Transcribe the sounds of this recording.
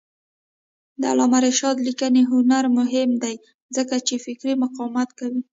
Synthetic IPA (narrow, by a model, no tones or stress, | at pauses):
d̪əa̰lɑmaɾeʃɑd̪likəneɦʊnaɾmʊɦɪmd̪aj | zəkat͡ʃefɪkɾimʊqɑwmat̪kawi